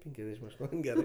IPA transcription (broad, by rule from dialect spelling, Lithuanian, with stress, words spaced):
ˈpʲɛŋʲkʲɛzʲdʲɛʃʲɪm ɐʃ ˈtuɔnʲ ˈɡʲæːrɜ